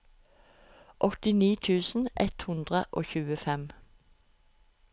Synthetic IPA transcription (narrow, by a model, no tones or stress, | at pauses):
ʔɔt̪ɪniːt̪ʰʉːsn̩ʔɛt̪hʉnd̪ʁəʔo̰ːçʉːəfɛm